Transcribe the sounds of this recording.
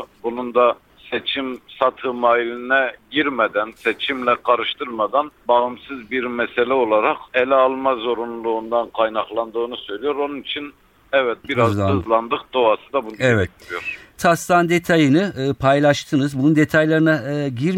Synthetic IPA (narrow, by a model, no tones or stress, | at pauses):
bunund̪a | set͡ʃʰimsat̪ʰɯmaːilʲinɛɟiɾmɛd̪ænsɛt͡ʃʰimlʲɛkʰaɾɯʃt̪ʰɯɾmad̪anbaɯmsɯzbiɾmɛselʲɛo̞lˠaɾaqelʲɛalˠmazo̞ɾunlˠuːnd̪ankʰajnaχlˠand̪ɯːnusø̞jlʲijoɾo̞nunit͡ʃʰin | ɛvɛt̪̚biɾazlˠazlˠand̪ɯq̚d̪oasɯd̪abundɛvɛt̪ɾijoɾt̪ʰast̪and̪e̞t̪ʰajɯnɯpʰajlʲˠaʃt̪ʰɯnɯzbunund̪e̞t̪ʰajlˠaɾɯnaɟiɾ